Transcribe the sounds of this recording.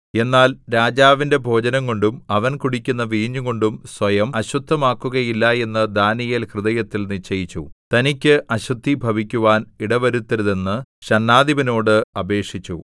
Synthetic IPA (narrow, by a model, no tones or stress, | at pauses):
e̞nːaːlɾaːd͡ʑaːʋinde̞bʱo̞ːd͡ʑɐnɐŋko̞ɳɖumɐʋɐnkuɽikʲːunːɐʋiːɲːuɣo̞ɳɖumswɐjɐmɐɕud̪ʱːɐmaːkːuɣɐjilːɐe̞nːɐd̪aːnijilhrɨðɐjɐt̪ːilnit͡ɕːɐjit͡ɕːut̪ɐnikʲːɨʔɐɕud̪ʱːibʱɐʋikʲːuʋaːniɽɐʋɐɾut̪ːɐɾuðe̞nːɨɕɐnːaːd̪iʋɐno̞ːɽɨɐbe̞ːkʂit͡ɕːṵ